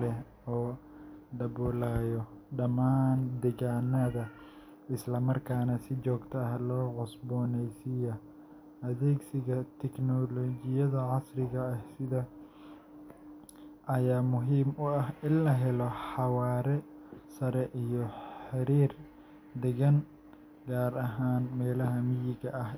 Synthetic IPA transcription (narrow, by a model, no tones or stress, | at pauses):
ɛ | ɔːɖɐβɔːlaːjɔɖɐmaːnd̪ɛɣaːnɐðɐ | ɪslɐmɐrkʰaːnɐsɪt͡ʃɔːɡt̪ʰɐɐɦlɔːʕɔsbɔːnɛjsɪjɐ | ʔɐðɛːɡsɪɣɐt̪ʰɛknɔlɔːd͡ʒɪjɐðɐʕɑsrɪɣɐːhsɪðɐ | ʔɐjaːmʊɦiːmʊɐhɪnlɐɦɛlɔħɑwaːɾɛ | sɐɾɛʔijɔħɪɾiːr | d̪ɛɣɐn | ɡaːɾɐɦaːnmɛːlɐɦɐmɪjɪɣɐʔɐh